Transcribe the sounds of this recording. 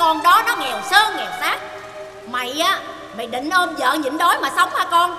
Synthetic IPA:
kɔ˧nɗɔ˨˦nɔ˨˦ŋɛ˨˩wsəː˧ŋɛ˨˩wsaː˦˥k̚ | ma̰˧˨jʔaː˨˦ | ma̰˧˨jɗḭ˧˨ŋ̟ʔo˧mzə̰ː˧˨ɲɨ̰˧˥ŋɗo˨˦jmaː˨˩sə˧wŋ͡mhaː˧kɔ˧n

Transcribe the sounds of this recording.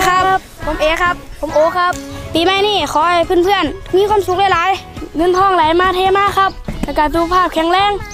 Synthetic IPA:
kʰa˧˥pʰːo˨˦mʔeː˨˦kʰa˦˥pʰːo˨˦mʔoː˨˦kʰa˧˥p̚piː˨˦ma˧˨jniː˧˥˩kʰɔː˨˦˧pʰɯː˧˥˨npʰɯ˧˨ənmiː˧˥˨kʰa˧˥˨msu˧˦k̚la˧˩˨laː˨˦jŋɤ˧˥˨nt̪ʰɔː˧˩ŋla˨˦jmaː˧˥˨t̪ʰeː˧˥maː˧˥˨kʰa˧˥p̚lɛ˧˩ka˧˩duː˧˦pʰaː˧˥˩p̚kʰɛ˨˧˩ŋlɛː˧˥˨ŋ

